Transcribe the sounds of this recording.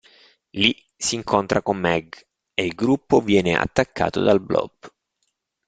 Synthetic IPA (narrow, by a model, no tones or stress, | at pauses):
li | siːŋkʰont̪ɾʔakomːɛɡ | eilɡɾupːovjɛːneʔa̰t̪ːakːa̰ːt̪o̰d̪alblɔ̰b̥